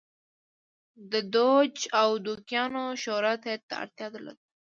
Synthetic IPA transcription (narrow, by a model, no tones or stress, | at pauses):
d̪əd̪od͡ʒawd̪ukjɑnoʃoɾat̪et̪ːa̰a̰ɾt̪jɑd̪əla̰d̪